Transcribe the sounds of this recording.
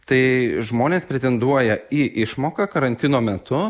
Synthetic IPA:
t̪ɐɪʒmoːnʲeːspʲɾʲet̪ʲɛnd̪uɔjɛiːʔɪʃmoːkɐkɐɾɐnʲt̪ʲɪnoːmʲɛt̪ʊ

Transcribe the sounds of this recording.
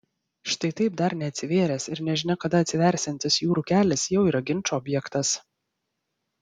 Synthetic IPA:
ʃt̪ɐɪt̪ɐɪp̚d̪ɐɾnʲɛɐt̪ʲsʲɪʋʲeːɾʲɛsɪɾnʲɛʒʲɪnʲɛkɐd̪ɐɐt̪ʲsʲɪʋʲæˑɾʲsʲɪnʲt̪ʲɪsjuːɾukʲæːlʲɪsjɛʊiːɾɐɡʲɪnʲˑt͡ʃoɔbʲjɛkt̪ɐs

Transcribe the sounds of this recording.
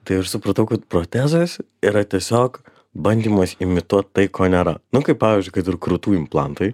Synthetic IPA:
t̪ɐɪɐʃsʊpɾɐt̪ɐʊkɐt̪pɾoːt̪ʲæːzos | iɾɐt̪ʲiɛsʲoːk | bɐnʲd̪ʲiːmɐsɪmʲɪt̪uɔt̪̚t̪ɐɪkʰoːnʲɛɾɐnʊkɐɪpɑːʋʲɪzʲd͡ʒʲʊɪkɐɪt̪ɪɾkɾut̪uːɪmplˠɑ̰nt̪oɪ

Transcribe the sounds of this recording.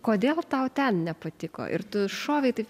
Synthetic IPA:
koːd̪ʲeːlˠt̪ɐʊt̪ʲɛnnʲɛpɐt̪ʲɪko̰ʔɪ̰rt̪ʊʃoːʋʲɛɪt̪ɐɪp

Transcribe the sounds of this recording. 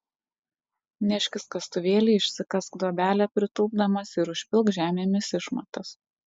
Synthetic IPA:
nʲɛʃʲkʲɪskɐst̪ʊʋʲeːlʲiːɪʃʲsʲɪkɐskd̪oːbʲæːlʲɛpʲɾʲɪt̪ʊːb̚d̪ɐmɐsɪɾʊʃʲpʲɪlˠkʒʲæːmʲeːmʲɪsɪʃmɐt̪ɐs

